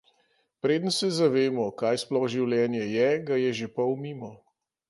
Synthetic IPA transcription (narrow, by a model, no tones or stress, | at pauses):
pɾeːd̪ənsɛzaʋeːmɔkaːjsplɔxʒiwljɛːnjɛjɛɡajɛʒepɔwmiːmɔ